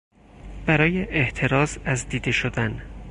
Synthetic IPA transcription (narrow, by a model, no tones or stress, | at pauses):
b̥æɾɒːjeʔeʔt̪ʰe̞ɾɒːzæzd̪iːd̪e̞ʃod̪æn